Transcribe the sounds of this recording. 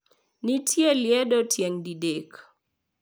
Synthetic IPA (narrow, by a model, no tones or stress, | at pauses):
nitʰjeljɛdotjɛŋdidek